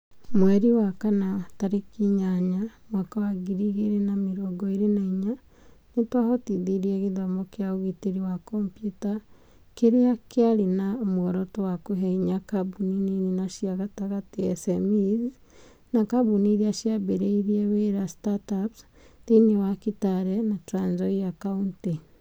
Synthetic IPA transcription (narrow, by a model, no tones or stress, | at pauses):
mwɛɾiwakanataɾekiɲaɲamwakawaɡiɾiɣeɾenameɾɔɡɔeɾenaiɲa | netwahɔtiðiɾiɛɣeðɔmɔkeaoɣiteɾiwakɔmpjuta | keɾeakeaɾenaomoɔɾɔtowakoɦɛiɲakabuninininaʃjaɣataɣatiɛsɛmiz | nakabuniɾiaʃjabeɾeiɾieβeɾastataps | tenewakitaɾɛnatɾaɲd͡ʒɔijakaunti